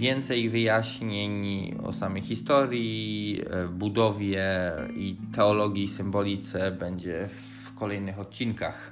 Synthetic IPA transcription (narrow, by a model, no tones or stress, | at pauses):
vʲjɛnt̪sɛjvɘjaɕɲeɲ | ɔ̰samɛjxʲist̪ɔɾʲji | bud̪ɔvʲjɛit̪ɛɔlɔɡʲjisɘmbɔlʲit̪sɛbɛɲd͡ʑɛ | f | kɔlɛjnɘxɔt̪̚t͡ɕinkax